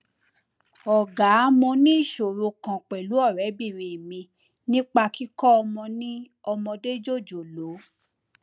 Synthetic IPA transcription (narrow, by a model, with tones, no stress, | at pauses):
ɔ˨ɡa˨˦mõ˧nĩ˦i˦˨ʃo˨ɾo˧kã˨k͡pɛ˨lu˨˦ɔ˦˨ɾɛ˨˦bi˦˨ɾĩ˨e˨mĩ˧ | nĩ˦k͡pa˧ki˦kɔ˦ɔ˧mɔ̃˧nĩ˦ | ɔ˧mɔ̃˧de˦d͡ʒo˦˨d͡ʒo˨lo˨˦